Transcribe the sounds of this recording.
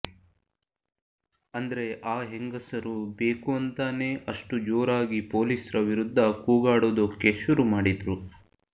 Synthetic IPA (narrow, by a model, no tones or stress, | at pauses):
ɐnd̪ɐɾe̞ʔaːɦeŋɡɐsɐɾubeːkuɐnt̪aːne̞ːʔɐʂʈud͡ʒoːɾaːɡipo̞ːliːsɾɐʋiɾud̪ʱːɐkuːɡaːɽoːd̪okeʃuɾumaːɽid̪ɾu